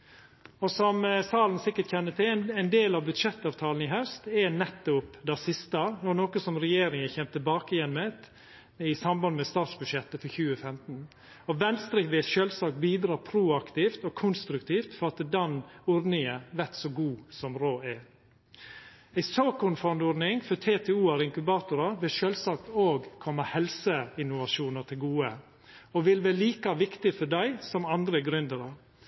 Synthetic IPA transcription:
ɔsɔmsɑːln̩sɪkːəʈçɛnːət̪ʰɪlæɪnd̪eːlɑʋbʉd̪ʂɛt̪ːɑːʋt̪ʰɑːln̩ɪɦœʉst̪ɛnɛt̪ːʊpd̪æsɪst̪ɑnɔɾnoːkəsɔmɾɛjeːɾɪŋəçɛmt̪ʰɪbɑːkəɪjɛnmɛt̪ | ɪsɑmbɑnd̪əmɛst̪ɑːt̪sbʉd̪ʃjɛt̪ːəfɔçʉːəfɛmt̪n̩ | ɔʋɛnst̪ɾɛːkʋɛːsʃøːlsɑːkbiːd̪ɾɑːpʰɾuːɑkt̪iːft̪ɔkʰʊnst̪ɾʉkt̪ʰiːft̪fɔɾɑt̪əd̪ɑnʊɾnɪŋəʋæɾt̪soːɡuːsɔmɾoːæ | æɪsoːkʊnfɔnd̪ʊɾnɪŋfɔt̪ʰeːt̪ʰɛːuːæɾɪŋkʉbɑːt̪ʊɾɑʋɪʃølsɑːk̚t̪oːɡkʰɔmːəhɛlsəɪnʊʋɑʂuːnət̪ʰɪlɡuːə | ɔʋɪlʋæɾliːkɑʋɪkt̪ɪfɔɖæɪsɔmɑnd̪ɾəɡɾʉnd̪əɾɑ

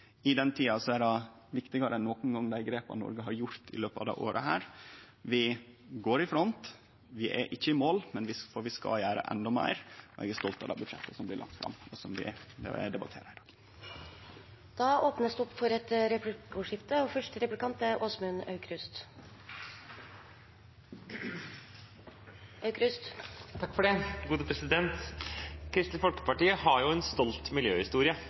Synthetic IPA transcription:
ɪd̪ɛnt̪ʰiːɑsɔædɑ | ʋɪkt̪ɪɡɑɾənɔkːʊn̩ɡɑŋːd̪æɪɡɾeːpɑ̰nnɔ̰ɾɡəɦɑɾjʊɾt̪ʰɪ̰løːpəɑ̰ʋd̪ɛ̰ɪʔoːɾʔə̰ɦæːɾ | ʋɪ | ɡoːɾɪfɾɔnt̪ | ʋɪʔɛ̰ʔɪçːəɪmoːlmɛnʋɪfɔɾʋɪskɑ̰jæːɾə̰ʔɛ̰nd̪ɔmæ̰ɪɾɔɛ̰ɡæst̪ɔlt̪ɑ̰d̪ɑ̰ːbʉd̪ʂɛt̪ːəsɔmblɪlɑ̰k̚t̪fɾɑ̰mɔsɔmʋɪ̰d̪ɛbɑt̪ʰeːɾɪd̪ɑːɡ | d̪̥ɑːoːpnəsd̪ʉɔpːfɔɾɛt̪ɾɛpɡoːʂɪft̪əɔfœʂʈəɾɛplɪkʰɑnt̪æɾʔoːsmʉnœ̰ʉkʰɾʉst̪ | ʔœʉkɾʉst̪t̪ʰɑkːfɔɖɛɡuːd̪əpʰɾɛsɪd̪ɛnt̪kʰɾɪst̪əfɔlkə̥pɑʈiːəhɑɾjʊɛnst̪ɔlt̪mɪljøːhɪst̪uːɾɪə

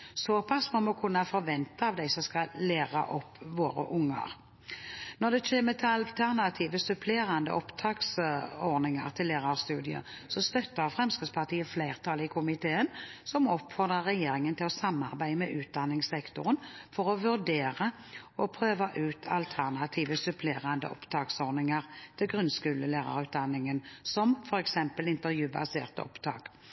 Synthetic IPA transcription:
soːpʰɑsːmɔmɔkʰʉnːɑfɔɾʋɛnt̪ɑɑʋd̪æɪsɔmskɑleːʁɑ̰ʔɔpːʋoːɾə̰ʔʊŋːə̰ʁ | nɔʁd̪ɛt͡ʃeːmət̪ʰɪɑlt̪ʰæʁnɑt̪ʰiːʋəsʉpʰleːɾɑnd̪ə̰ʔɔpt̪ʰɑːksɔʁdnɪŋɑ̰ʁt̪ʰɪlːeːʁɑʁst̪ʉːd̪ɪə̰sɔst̪œt̪ːəʁfʁɛmskəspʰɑʁt̪ʰiːəfleɪʁt̪ʰɑːlɪkʰʊmɪt̪ʰeːənsɔmɔpfɔʁd̪ʁəʁːɛjeːɾɪŋənt̪ʰɪlɔsɑmːɑ̰ʁbæɪəmɛʔʉːt̪̚d̪ɑnːɪŋsɛkt̪ʊʁənfɔʁɔʋʉʁd̪eːʁə | ɔpʰʁøːʋɑʔʉːt̪ʰɑlt̪ʰæʁnɑt̪ʰiːʋəsʉpʰleːʁɑnd̪ə̰ʔɔ̰pt̪ʰɑːksɔʁnɪŋɑʁt̪ʰɪlɡʁʉnskʉːləleːʁɑ̰ʁʉːt̪̚d̪ɑnːɪŋənsɔmfɔɾɛksɛmpəlɪnt̪əʁjʉːbɑ̰sḛːʁt̪əɔ̰pt̪ʰɑ̰ːk

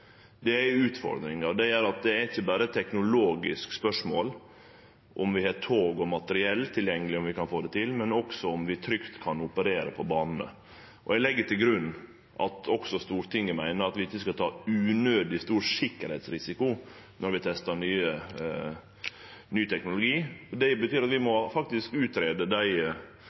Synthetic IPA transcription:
d̪ɛæʉːt̪fɔ̰ɾd̪ɾɪŋɑd̪ɛæɾɑt̪̚d̪ɛæɾɪçːəbæːɾət̪ʰːɛknʊloːɡɪskspœʂmoːl | ʔɔmʋɪhɛt̪ʰoːɡɔmɑt̪əɾɪɛlːt̪ʰɪljɛŋːəlɪɔmʋɪkɑnfoːd̪ɛt̪ʰɪlmɛnɔksɔɔmʋɪt̪ʰɾʏkt̪kʰɑnʊpəɾeːɾəpʰɔbɑːnn̩ə̰ | ʔɔ̰ælɛɡːət̪ʰɪlɡɾʉnː | ʔɑ̰t̪ɔksɔst̪uːɾt̪ʰɪŋːəmæɪnəɾɑt̪ʋɪɪçːəskɑt̪ʰɑːʉːnøːd̪ɪst̪uːɾʂɪkːəɾhɛɪt̪sɾɪsɪkʊ | nɔɾʋɪt̪ʰɛst̪əɳyːə | nyːt̪ʰɛknʊlʊɡiːd̪ɛbət̪ʰyːɾɑt̪ʋɪmɔfɑk̚t̪ɪskʉːt̪ɾeːd̪əd̪æɪ

